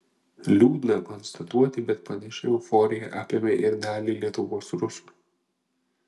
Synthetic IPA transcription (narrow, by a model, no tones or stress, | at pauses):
lʲuːd̪ʲnɐkɔnst̪ɐt̪uɔt̪ʲɪbʲɛt̪̚pɐnʲɛʃʲɛʊfɔːɾʲɪjɛʔɑːpʲemʲɛʔɪɾnʲæːlʲiːlʲiɛt̪ʊʋoːsɾʊs